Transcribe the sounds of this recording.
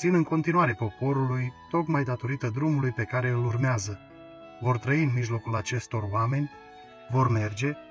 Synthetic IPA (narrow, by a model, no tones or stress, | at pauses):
sinɨŋko̞nt̪inuaɾepo̞po̞ɾulujt̪o̞kmajd̪at̪o̞ɾit̪əd̪ɾumulujpe̞kaɾe̞ɨlurmeazə | vo̞rt̪ɾəiɨnmiʒlo̞kulat͡ʃe̞st̪o̞rwame̞nʲ | vo̞rme̞rd͡ʒe̞